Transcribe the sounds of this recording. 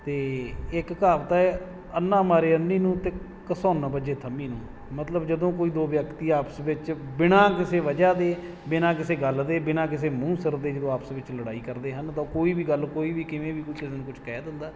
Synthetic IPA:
t̪eːɪkkaːpt̪aːɛː | ənːãːmaːɾeːənːiːnũːt̪eː | kəsoːnbəd͡ʒeːt̪ʰəmiːnũː | mət̪ləbd͡ʒəd̪õːkoːiːd̪oːʋjəkt̪iːaːpəsʋɪt͡ʃbɪnãːkɪseːʋəd͡ʒaːd̪eː | bɪnãːkɪseːɡəld̪eːbɪnãːk̬ɪseːmũːsəɾd̪eːd͡ʒəd̪õːaːpsʋɪt͡ʃləɽaːiːkəɾd̪eːɦənt̪ãkoːiːbiːɡəlkoːiːʋiːkɪʋẽːʋiːkʊt͡ʃʰkɪseːnũːkʊt͡ʃʰkɛːd̪ɪnd̪aː

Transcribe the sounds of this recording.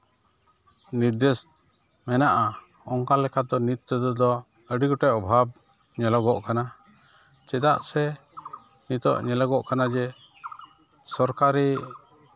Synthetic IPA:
niɾd̪ɛs | mɛnaʔa | ɔŋkalɛkad̪ɔnit̪̚ːəd̪ɔd̪ɔ | əɖiɡɔʈɛʔɔbʱab̚ | ɲɛlaɡɔʔkana | t͡ʃɛd̪a̰ʔsɛ | nit̪ɔ̰ʔɲɛlaɡɔʔkanad͡ʒɛ | sɔɾkaɾi

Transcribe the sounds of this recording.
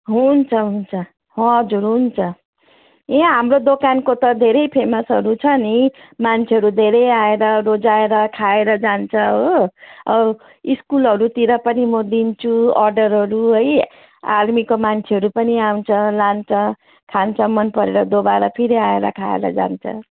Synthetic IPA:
ɦunt͡sʰʌɦunt͡sʰʌ | hʌ̃d͡zuɾɦunt͡sʰʌ | ẽɦamrod̪okankot̪ʌd̪ʱeɾʌjpʰemʌsʌɾut͡sʰʌni | mant͡sʰeɦʌɾud̪ʱeɾʌjaeɾʌɾod͡zaeɾʌkʰaeɾʌd͡zant͡sʰʌɦoʌ | iskulʌɾut̪iɾʌpʌnimʌd̪int͡sʰuʌrɖʌɾɦʌɾuɦʌj | a̰ɾmikomant͡sʰeɦʌɾupʌniawnt͡sʰʌlant͡sʰʌ | kʰant͡sʰʌmʌnpʌɾeɾʌd̪obaɾʌpʰiɾiaeɾʌ̰kʰa̰ḛɾʌ̰d͡za̰nt͡sʰʌ̰

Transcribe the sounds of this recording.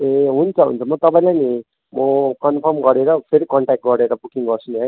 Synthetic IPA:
eɦunt͡sʰʌɦṵnt͡sʰʌmʌt̪ʌpaĩlajni | mʌkʌnpʰʌrmɡʌɾeɾʌpʰeɾikʌɳʈak̚ʈ̚ɡʌɾeɾʌbukiŋɡʌrsuniɦʌj

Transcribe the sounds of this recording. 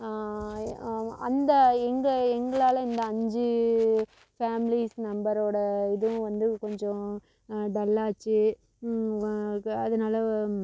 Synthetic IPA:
ɐnd̪ɐɛŋɡɐɛŋɡɐɭaːlɐɪnd̪ɐɐɲd͡ʒɯ | faːmɪlisnɐmbɐɾoːɽɐɪðɯʋʊ̃ʋɐnd̪ɯkɔɲd͡ʒɔ̃ | ɖɐlːaːt͡ʃːɯ | ɐðɐnaːlɐ

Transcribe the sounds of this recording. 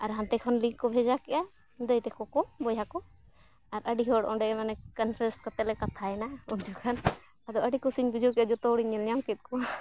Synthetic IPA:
aɾɦant̪ɛkʰɔnlikɔbʱɛd͡ʒakɛʔa | d̪əjt̪ɛkɔkɔbɔjakɔ | aɾəɖiɦɔɽɔ̃ɖɛɛmanɛkanpʰɾɛskɔt̪ɛlɛkat̪ʰaɛnauɲd͡ʒɔkʰan | ad̪ɔʔəɖikɔsiɲbid͡ʒɔkɛad͡ʒɔt̪ɔɽiɲɛljamkɛt̪̚kɔ

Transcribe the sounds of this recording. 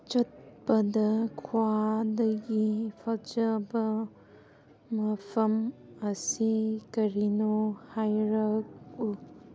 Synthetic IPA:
t͡ʃɐt̚pɐdɐkʰwadɐɡipʰald͡ʒɐbɐ | mɐpʰɐmɐsikɐɾinohajɾɐk̚u

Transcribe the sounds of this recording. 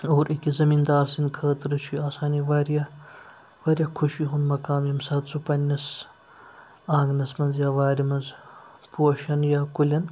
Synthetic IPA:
oːɾikizɐmind̪aːɾsinkʰɐːt̪ɾɐt͡ʃʰiaːsaːniʋaːɾjɐ | ʋɐːɾjɐkʰuʃiɦund̪mɐkaːmjɐmsɐt̪sʰupɐnʲːɐs | ãːŋɡnɐsmɐnzjaːʋaːɾimɐnzpuɐʃɐnjaːkulʲɐn

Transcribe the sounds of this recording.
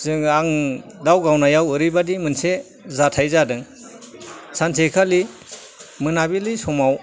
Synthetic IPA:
zɯŋaŋdawɡawnajawɯɾibadimɯnse | zatʰajzadɯŋ | sʰansʰekʰali | mɯnabilisɔmaw

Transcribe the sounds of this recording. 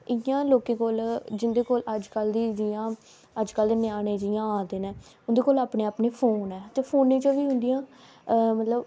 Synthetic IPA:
ɪjãːloːkẽːkoːld͡ʒɪnd̪eːkoːləd͡ʒkəld̪iːd͡ʒɪjãː | əd͡ʒkəlːnɪaːnẽːd͡ʒɪjãːãːd̪eːnẽːʊnd̪eːkoːlaːpneːaːpneːpʰoːnɛːt̪eːpʰoːnːẽːt͡ʃəʋiːɦʊ̃nd̪ɪjãː | mət̪ləb

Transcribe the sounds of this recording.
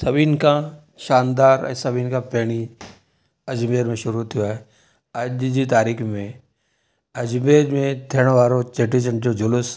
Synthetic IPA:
sɐbinka | ʃaːnd̪aːɾɛ̰sɐbiːnkapɛːɽ̃i | ɐd͡ʒmeːɾmẽʃʊɾut̪ʰijaɦɛ | ɐdd͡ʒit̪aːɾiːkʰmẽ | ɐd͡ʒmeːɾmẽd̪ʰʱeɽ̃ʋaːɾot͡ʃeʈit͡ʃɐ̃ɳd͡ʒod͡ʒʊlʊs

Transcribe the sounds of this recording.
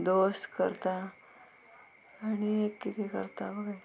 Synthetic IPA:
d̪ost̪kə̰ɾt̪a | ɽ̃iekːit̪ʰekə̰ɾt̪abəɡa

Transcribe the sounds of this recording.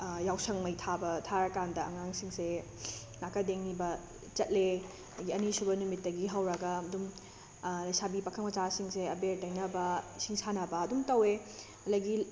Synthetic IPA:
jawsɐŋmɐjtʰabɐtʰaɾɐkandɐɐ̰ŋaŋsiŋse | nakɐdeŋnibɐ | t͡ʃɐt̚le | dɐɡiɐnisubɐnumitːɐɡiɦɐwɾɐɡɐɐdum | ɐjsabipɐkʰɐŋmɐt͡ʃasiŋseɐbeɾtɐjnɐbɐsiŋsanɐbɐːdumtɐwe | ɐdɐɡi

